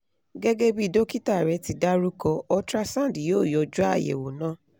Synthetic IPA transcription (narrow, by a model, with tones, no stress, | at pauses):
ɡɛ˦ɡe˦bi˦˧˨do˦ki˦ta˦˨ɾɛ˧˦ti˧da˦ɾu˦kɔ˧ɔ˧tɾa˦sã˦˨di˨joː˦˨jɔ˨˦d͡ʒu˦a̰˦˨jḛ˨wo˨nãː˦